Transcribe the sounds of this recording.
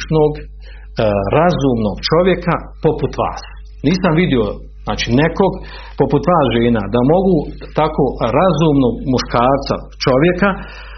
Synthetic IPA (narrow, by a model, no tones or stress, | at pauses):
t͡ʃnoːɡ | ɾazuːmno̞ɡt͡ʃo̞ʋje̞ka | po̞put̪ʋa̰ːs | niːsamʋid̪io̞ | znaːt͡ʃineko̞ɡ | po̞put̪ʋaːsʒeːna̰ːd̪amo̞ɡuː | t̪akoːɾazuːmnoːɡmuʃkaːɾt̪sa̰ | t͡ʃo̞ʋje̞ka